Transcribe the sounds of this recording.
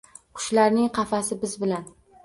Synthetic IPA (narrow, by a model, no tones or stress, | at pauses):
qʰʊ̥ʃlaɾnɪŋqʰɑfasɪbɪzbɪlan